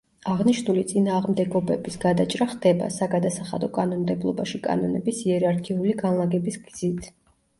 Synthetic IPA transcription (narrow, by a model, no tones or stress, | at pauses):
aʁniʃnulit̪sʼinaːʁmd̪ɛɡɔbɛbisɡ̥ad̪at͡ʃʼɾaχd̪ɛba̰saɡad̪asaχa̰d̪ɔkʼanɔnd̪ɛblˠɔbaʃikʼa̰nɔnɛbisiɛɾaɾkʰiuliɡanlˠaɡɛbisɡz̥it̪ʼʰ